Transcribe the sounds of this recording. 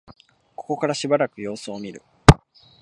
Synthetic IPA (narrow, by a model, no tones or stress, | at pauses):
ko̞̥ko̞kaɾaɕibaɾakɯ̟jo̞ːsɨomʲiɾɯ̟̰